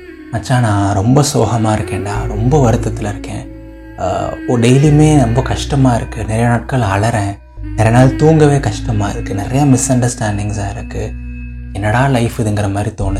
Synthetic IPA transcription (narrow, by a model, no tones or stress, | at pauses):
mɐt͡ʃːaːnãːɾɔmbɐsoːɣɐmaːɪɾɯkːẽːɳɖaːɾɔmbɐʋɐɾɯt̪ːɐt̪ːɪlɪɾɯkːḛ̃ː | ɔɖeɪlimeːnɐmbɐkɐʂʈɐmaːɪɾɯkːɯnɪɾɐjɐnaːʈ̚kɐɭɐɭɐɾẽː | nɪɾɐjɐnaːlt̪uːŋɡɐʋeːkɐʂʈɐmaːɪɾɯkːɯnɪɾɐjamɪsɐɳɖɐɾsʈaːɳɖɪŋsaːɪɾɯkːɯ | ɛnːɐɽaːlɐɪfɪðɐŋɡɪɾɐmaːd̪ɾit̪oːnɯ